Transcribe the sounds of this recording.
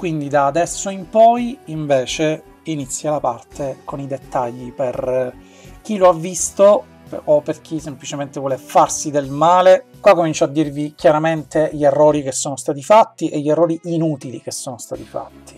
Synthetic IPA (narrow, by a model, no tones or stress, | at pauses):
kwind̪id̪aːd̪ɛsːoimpɔjiɱveːt͡ʃe | init̪sːjalapart̪ekonid̪et̪ːaʎːiper | k̟iloavːist̪o | ʔːpːerk̟isemplit͡ʃement̪evwɔːlefarsid̪elmaːlekwakːomint͡ʃɔad̪ːirvik̟jaɾament̪eʎierːɔːɾikesːoːnost̪aːt̪ifat̪ːiʔeʎːerːɔːɾiʔinuːt̪ilik̟esːoːnost̪a̰ːt̪ifa̰t̪ːi̥